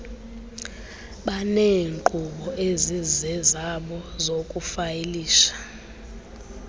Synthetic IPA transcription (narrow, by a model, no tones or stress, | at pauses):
ɓaneːŋǃuɓɔʔezizɛzaɓɔzokʼufajeliːʃḁ